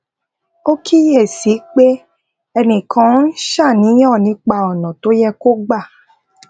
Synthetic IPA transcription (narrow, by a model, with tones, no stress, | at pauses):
o˦kʰi˦jɛ˦˨si˨˦k͡pe˦ | ɛ˧nĩ˨kʰã˨˦n̩˦ʃa˦˨nĩ˨˦j̃ɔ̃˦˨nĩ˨˦k͡pa˧ɔ˨nɔ̃˨to˨˦jɛ˧ko˦ɡ͡ba˦˨